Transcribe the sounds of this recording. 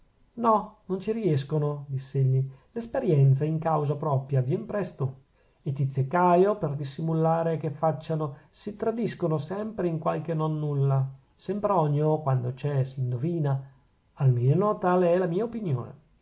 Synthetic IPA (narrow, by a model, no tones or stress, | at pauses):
nɔnont͡ʃiɾiɛskonod̪isːeeʎːilespeɾjɛnt̪saiŋkawzapɾɔpɾjavjɛmpɾɛst̪o | et̪ːit̪sːjekajoperd̪isːimulaːɾekefːat͡ʃːano | sit̪ɾad̪iskonosɛmpɾeiŋkwalk̟enonːulːa | sɛmpɾeɔɲːokwand̪ot͡ʃɛsind̪oviːna | almeːnot̪aːleɛlamiːaopinjo̰ːnḛ